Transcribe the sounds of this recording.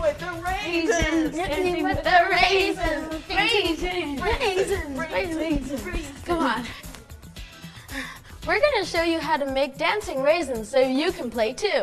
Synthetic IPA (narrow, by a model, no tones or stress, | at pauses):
weðəɹeɪzɨ | ðəɹezɨ̃ñ | z̃neez̃ɡ̥ɑd | wɪɹɡʌnɨʃoʊjɨɦaʊɾɨmeɪk̚d̥æ̃nsɪ̃ŋɹeɪzɨ̃nz̥soʊjɨkʰn̩pʰl̥eɪtʰʉ